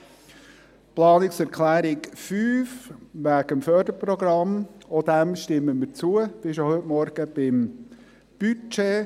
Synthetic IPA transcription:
plɑːnɪksɛɾkʰlæːɾɪkfyːfʋæɡ̥əmfœːɾdəpɾɔɡɾɑmɔd̪æmʃtɪmːəmɪɾt͡suəb̥ɪʃohʏtmɔɾɡ̥əb̥ɪm | b̥yt͡ʃe

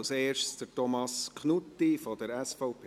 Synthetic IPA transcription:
lseːʃtsd̥əɾtɔmɑskʰnut̪ːifɔdəɾɛsfɔʊpʰ

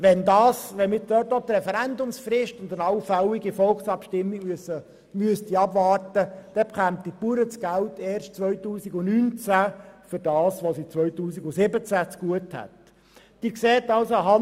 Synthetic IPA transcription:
ʋɛnd̪ɑːsʋɛnmɪtdøːtot̪ɾɛfɛɾænd̪ʊmsfrɪʃtʊnd̪ənɑwfæliɡifɔlksɑpʃtɪmːiɡmysə | myəst̪iɑbvɑːrtəd̥ɛpχæmt̪ipuɾət͡sɡ̥ælteːrʃtt͡sʋœʏtuːsiɡʊnynt͡sæfʏɾd̥ɑːsʋosit͡sʋœʏtuːsiɡʊsɪbət͡sæt͡sɡ̥uəthæ̰t | d̥iːɾkseːt̪ɑlsoɦɑ

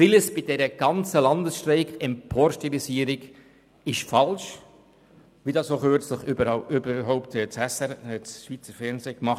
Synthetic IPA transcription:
filəsb̥ɪd̥ɛɾəɡ̥ɑnt͡səlɑndəsʃtrɛɪkʰɛmpʰoːɾʃtilisiːəɾɪɡ | ɪʃfɑlʃ | ʋidɑsoχøːɾt͡sləχybəøbəɾɦɔʊptɛt͡shɛsɛɛt͡sʃʋiːt͡səɾfɛnzeːkmɑχ

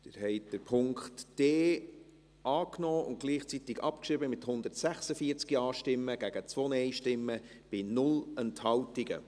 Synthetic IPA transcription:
d̪̥ɪɾɦɛɪtd̥əɾpʰʊŋktd̥eː | ʔɑːknɔːʊ̰nt̚ɡ̥liːχt͡sit̪ɪɡɑpkʃɪbəmɪthʊnd̪ərtsæχsəfiəɾt͡skiɑːʃtɪmːəɡ̥æɡ̥ət͡sʋoːnɛɪʃtɪmːə | b̥ɪnʊlɛnthɑltɪɡə

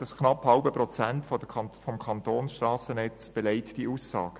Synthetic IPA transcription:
d̥ɑsknɑphɑlbəprɔt͡sæntfɔdəfɔmkʰɑntoːnsʃtrɑːsənɛt͡sb̥eleɪtd̥iʔuːsːɑːɡ̥ə

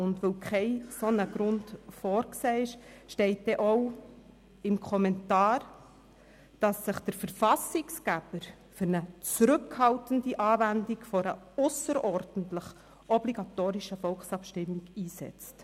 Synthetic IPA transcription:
ʊndʋowkʰχɛɪsɔnəɡ̥ɾʊntfɔːɾkseːɪʃʃtɛɪt̚d̥ɛʔɔʊ | ɪmkʰɔmɛntɑːɾ | d̥ɑsːəχd̥əɾfəɾfɑsɪkskæb̥əɾ | fʏɾnət͡sɾʏkhɑltəndiʔɑːvændikfɔɾə | ʊsəɾɔɾd̥n̩tləχ | ʔɔbliɡ̥ɑtoːɾiʃəfɔlχsɑpʃtɪmːiɡiːsɛ̰t͡st

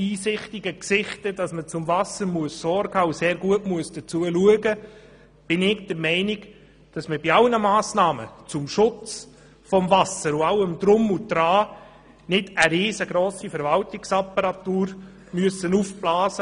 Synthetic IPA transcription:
iːsɪχtɪɡəksɪχtəd̥ɑsmət͡sʊmvɑsəɾmuəsːɔɾɡɑuseːɾɡuətmuəsd̥ət͡suəluəɡə | b̥ɪnɪɡd̥əɾmɛɪnɪɡ | d̥ɑsməbiɑlnəmaːsnɑːmə̰t͡sʊmʃʊt͡s | fɔmvɑsəɾʊaʊəmd̥ɾʊmud̥ɾɑː | nɪdəɾeːzəɡɾoːsifɛɾvɑltɪksɑpəɾɑtuːɾ | myəsənufb̥lɑːzə

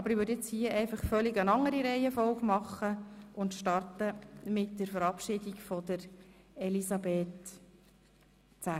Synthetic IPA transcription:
ɑbəɾɪʋʏdɛt͡shiəʔɛɪfɑχfœliɡənɑŋəɾiɾɛɪɛfɔlɡmɑχːəʔʊnt̪ʃtɑrtəmɪtdəɾfəɾɑpʃɪdikfɔd̥əɾ | ɛlisɑbeːt | t͡sæ

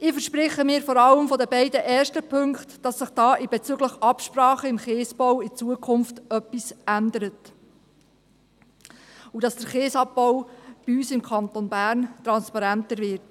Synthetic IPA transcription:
ɪfəʃpɾɪχəmɪːɾfɔɾɑləmfɔdəbɛɪdəʔɛːrʃtəpʰɵŋktd̥ɑsːɪχd̥ɑːʔɪb̥ɛt͡syɡləχʔɑpʃprɑːχəɪmχeːsb̥ɔwɪt͡suəkʰχʊnftœpːisændəɾət | udɑsd̥əɾχeːsɑp̚bɔwb̥iyːsɪmkʰɑnt̪onbæːɾnt̪ɾɑnspɑɾæntəɾvɪɾt

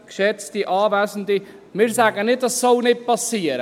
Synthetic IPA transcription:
kʃɛt͡stiʔɑːvæːsn̩dimɪːɾsæɡənɪt̚d̥ɑsːɔlnɪt̚pɑsiəɾə

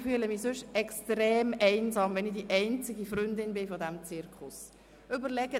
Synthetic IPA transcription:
fyələmisʉʃɛkstɾeːmɛɪnzɑːmʋɛnɪd̥iʔɛɪnt͡sɪɡifɾʏndɪnbɪfɔdɛmt͡sɪɾkʰʊs | ʔʏbəɾlɛɡə

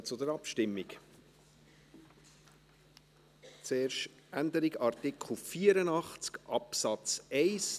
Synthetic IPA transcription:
t͡sʊdəɾɑpʃtɪmːik | t͡seːɾʃ | ʔænd̪əɾiɡɑrtɪkχl̩fiːəɾənɑχt͡skʔɑpsɑt͡sɛɪs

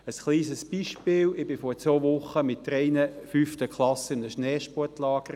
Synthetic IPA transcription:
əsχliːsəsb̥iːʃpɪːlɪbɪfɔt͡sʋoːʋʊχəmɪt̚dɾɛɪnəfyftəkχlɑsɪnəʃnɛːʃpɔrtlɑːɡ̥əɾ

